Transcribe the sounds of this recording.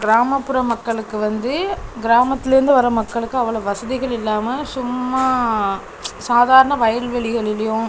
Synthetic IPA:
ɡɪɾaːmɐpːɯɾɐmɐkːɐɭɯkːɯʋɐnd̪ɯɡɪɾaːmɐt̪ːɪlɪɾɯnd̪ɯʋɐɾɐmɐkːɐɭɯkːɯɐʋːɐɭoːʋɐsɐðɪɣɐɭɪlːaːmɐsʊmːaː | saːðaːɾɐnɐʋɐjɐlʋɛɭɪɣɐɭɪlɐjʊ̃

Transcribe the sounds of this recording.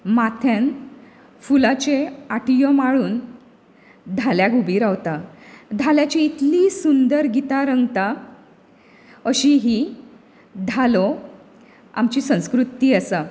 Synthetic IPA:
mat̪ʰjan | fulat͡ɕeaʈijɔmaɭuːn | d̪ʱaljaɡubiːɾaʋt̪ad̪ʱaljat͡ɕiːt̪liːsund̪əɾɡit̪aɾəŋɡt̪a | əɕiɦi | d̪ʱalo | a̰mt͡ɕiːsə̃w̃skɾut̪iːəsa

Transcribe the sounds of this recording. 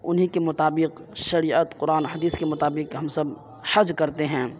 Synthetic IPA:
ʊnɦikemʊt̪aːbɪq | ʃɐɾiːət̪qʊɾaːnɦɐd̪iːskemʊt̪aːbɪqɦɐmsɐb | hɐd͡ʒkɐɾt̪eɦɛ̃ː

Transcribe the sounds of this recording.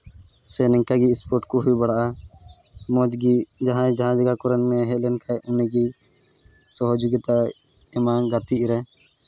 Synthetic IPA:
sɛnɛŋkaɡispɔɾʈkuɦujbaɽaʔa | mɔd͡ʒɡid͡ʒaɦãɛ̃d͡ʒaɦãd͡ʒaɡakɔɾɛnːɛɦɛt̪̚lɛnkʰajɔnɛɡi | sɔɦɔd͡ʒuɡit̪a | ɛmaɡat̪iɾɛ

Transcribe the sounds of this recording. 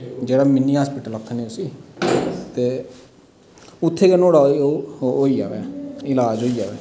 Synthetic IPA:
d͡ʒeːɽaːmɪnːiːɦaːspɪʈələkʰːəneːʊsiː | t̪eː | ʊt̪ʰːeːkenoːɽaː | oːiːd͡ʒa̰ːʋɛːɪlaːd͡ʒoːiːd͡ʒaːʋɛː

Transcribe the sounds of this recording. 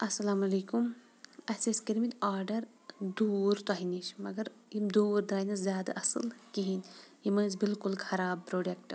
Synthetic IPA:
ɐsɐlaːmɐleːkum | ɐseskiɾmit̪aːɾɖɐɾ | d̪uːɾt̪aɦiniʃmɐɡɐɾimd̪uːɾd̪ɾaːjnɐszʲjaːd̪ɐ̰ʔɐsɨ̰lkiɦin | imənzbilkulkʰɐɾaːb̚pɾoːɖekʈ

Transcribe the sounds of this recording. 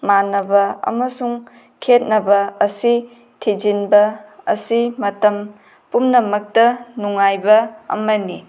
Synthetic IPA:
manɐbɐɐ̰mɐsuŋ | kʰet̚nɐbɐɐsi | tʰid͡ʒinbɐɐ̰simɐtɐm | pumnɐmɐk̚tɐnuŋajbɐɐ̰mɐni

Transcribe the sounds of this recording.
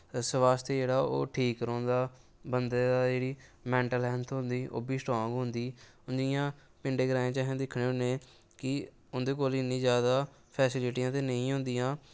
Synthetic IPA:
səʋaːst̪eːd͡ʒeːɽaːo̰ːʈʰiːkːɾɔ̃ːnd̪aː | bənd̪eːd̪aːd͡ʒeːɽiːmɛ̃ːɳʈəlɛːnt̪ʰɦʊ̃nd̪iːʔo̰ːbiːsʈãːɡɦʊ̃nd̪iː | ʊnd͡ʒɪjãː | pɪɳɖeːɡɾãːjẽːt͡ʃaːɦiãːd̪ɪkʰɽeːɦʊnẽː | kɪ | ʊnd̪eːkoːlɪnːĩːzjaːd̪aː | pʰɛːsɪlɪʈiːãːt̪̬eːnəĩːɦʊ̃nd̪ijãː

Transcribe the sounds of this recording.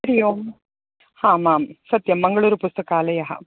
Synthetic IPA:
ɐɾɪjom | hãːmaːmsɐt̪ːjɐmːɐŋɡɐɭuːɾɯpʊst̪ɐkaːlɐjaːɦa̰

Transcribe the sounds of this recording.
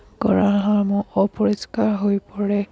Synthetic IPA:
ɡɔ̰ɹaɦaɹmʊɔpɔɹiskaɹɦojpɔɹɛ

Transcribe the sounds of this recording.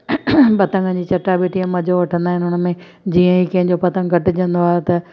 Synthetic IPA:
pɐt̪ə̃ŋɡənd͡ʑiːt͡ɕɐʈːabeːʈiə̃mɐd͡ʑʱoʋɐʈʰə̃nd̪aːɦɪnɪɦʊnmẽ | d͡ʑiːə̃ikɐ̃ɦɪ̃ɲd͡ʑopɐt̪ə̃ŋɡʱɐʈɪ̆d͡ʑɐ̃nd̪oaːɦet̪ɐ

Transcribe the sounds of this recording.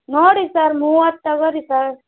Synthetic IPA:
noːɽisɐɾmuɐt̪ːɐɡəɾisɐɾ

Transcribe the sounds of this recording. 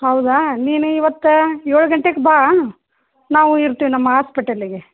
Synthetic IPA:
hɐwd̪aniːnuiʋɐt̪ːujoːɭuɡɐɳʈekbaː | naːʋuiɾt̪ːiːʋinɐmːɐɦaːspiʈɐlːiɡe

